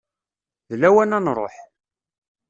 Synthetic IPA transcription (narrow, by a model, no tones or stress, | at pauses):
ðlæwænænɾˤo̰ħ